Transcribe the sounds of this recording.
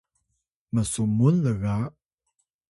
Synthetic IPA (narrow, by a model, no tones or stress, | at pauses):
məsumunləɣa